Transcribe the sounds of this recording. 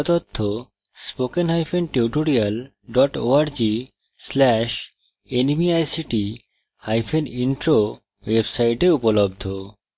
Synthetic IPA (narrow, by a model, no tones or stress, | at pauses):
t̪ot̪ʰːo | spokenɦajfʰenʈeuʈoɾial | ɖɔʈoaɾd͡ʑi | slɛʃ | enimiajsiʈi | hajfʰeninʈɾo | websajʈeupolob̚d̪ʱo